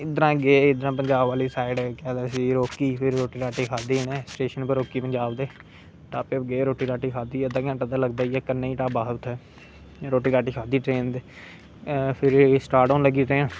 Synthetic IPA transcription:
ɪd̪əɾãːɡeːɪd̪ɾãːpəɲd͡ʒaːbʋaːliːsaːɪɖkɛːd̪ɛːsiːɾoːkiːpʰɪɾːoːʈiːɾaːʈiːkʰaːd̪iːneːsʈeːʃənpəɾoːkiːpəɲd͡ʒaːbd̪eː | ʈaːpepɡeːɾoːʈiːɾaːʈiːkʰaːd̪iːəd̪ãːɡãːʈad̪aːləɡd̪aːiɛːkənːeːiːʈaːbaːɦt̪ʰːɛː | ɾoːʈiːɾaːʈiːkʰaːd̪iːʈɾeːnd̪eː | pʰɪɾsʈaːɾʈɔ̃ːnləɡiːt̪ẽː

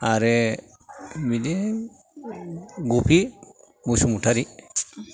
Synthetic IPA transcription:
aɾɛ | midɛ | ɡupʰi | busumutʰaɾi

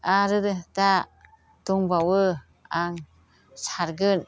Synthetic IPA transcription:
aɾɯdɯda | tuŋbawɯ | aŋ | saɾɡɯn

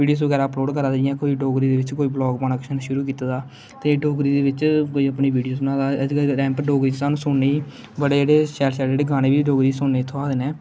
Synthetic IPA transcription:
iːɖijoːsʋəɡɛːɾaːəploːɖkəɾaːd͡ʒɪãːkoːiːɖoːɡɾiːd̪eːʋɪt͡ʃkoːiːblɔːɡbaːnaːkʃənʃʊɾuːkiːt̪ad̪aː | t̪ẽːɖoːɡɾiːd̪eːʋɪt͡ʃkoːiːəpniːʋiːɖijoːsnãːd̪aːɡɾɛ̃ːmpɖoːɡɾiːt͡ʃːsaːnũːsʊnːeiː | bəɽed͡ʒeːɽeːʃɛːlʃɛːld͡ʒeːɽeːɡʱaːneːbiːɖoːɡɾiːsʊnːeːt̪ʰːoaːd̪eːnɛː

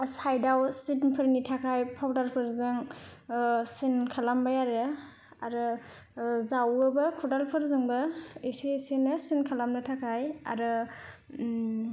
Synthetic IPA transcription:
sajdawsitnpʰɯɾnitʰakʰajpʰawdaɾpʰɯɾzɯŋ | sinkʰalambajaɾɯ | aɾɯ | zawɯbɯkʰudalpʰɯɾzɯŋbɯisisinɯsinkʰalamnɯtʰakʰaja̰ɾɯ

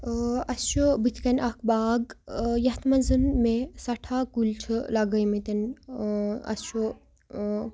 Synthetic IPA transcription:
ɐst͡ʃobit̪ʰkɐnʔɐkʰbaːɡjɐɦt̪mɐnzɨnmesɐʈʰakulʈʰlɐɡɐjmet̪ɐn | ɐ̰st͡ʃo

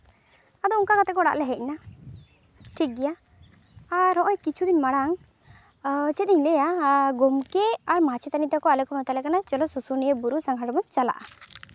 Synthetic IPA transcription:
ad̪ɔuŋkakat̪ɛkɔɽa̰ʔlɛɦɛc̚na | ʈʰik̚ɡɛjaː | ɾɦɔ̃ʔɔɲkit͡ʃʰud̪inmaɽaŋ | t͡ʃɛt̪d̪iɲlɛjaɡɔmkɛaɾmat͡ʃʰɛt̪anit̪akɔalɛkɔmat̪alɛkanat͡ʃɔlɔsusunijəbuɾusaŋɡʱaʈbɔnt͡ʃala̰ʔa̰

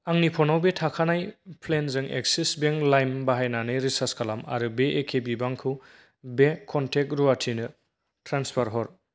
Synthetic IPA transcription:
aŋnipʰɔnawbetʰakʰanajpʰlenzɯŋḛk̚sisbeŋlajmbaɦajnanɯjɾisaskʰalama̰ɾɯbeʔekʰebibaŋkʰɯw | bekʰɔntʰek̚ɾuatʰinɯ | tɾanspʰaɾɦɔɾ

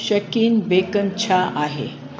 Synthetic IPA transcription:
ɕəkiːnbekənt͡ɕʰaʔaɦe

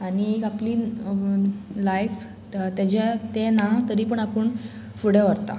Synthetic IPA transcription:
añiekapliː | lajf | t̪jad͡ʑet̪enat̪əɾiːpəɳapəɳ | fuɽ̤eʋəɾt̪a̰

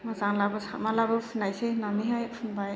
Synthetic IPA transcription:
mazaŋlabɯsamalabɯpʰɯnajsenamiɦajpʰɯnbaj

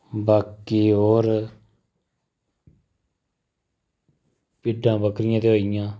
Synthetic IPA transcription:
baːkiːɦoːɾ | pɪɖːãːbəkɾɪjãːt̪eːoːijãː

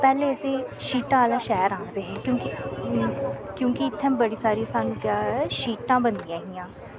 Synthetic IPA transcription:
pɛːleːəseːʃiːʈãːlãːʃɛːɾaːnd̪eːɦeːkjõːkɪ | kjõːkɪɪt̪ʰːembəɽiːsaːɾisaːnũːkaːʃiːʈãːbənd̪ɪjãːɦɪːjãː

